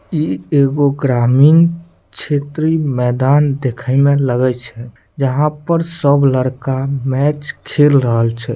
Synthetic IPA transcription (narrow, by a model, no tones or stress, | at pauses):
ieɡoɡɾamiŋɡ | t͡ʃʰet̪ɾimɛd̪and̪ekʰəjmẽləɡɛt͡ʃʰɛ | d͡ʒəɦãpəɾsəbləɽkamɛt͡ʃkʰelɾəɦəlt͡ʃʰɛ